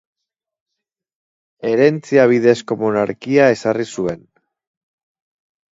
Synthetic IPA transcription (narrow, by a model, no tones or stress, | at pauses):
e̞ɾe̞nt͡siaβ̞iðe̞sko̞mo̞naɾkiae̞sarisue̞n